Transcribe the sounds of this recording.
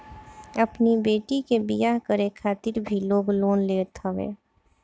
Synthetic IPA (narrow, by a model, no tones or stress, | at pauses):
ɐpnibeːʈikebɪjaɦkəɾekʰaːt̪ɪɾbʱiloːɡloːnleːt̪ʰəʋḛː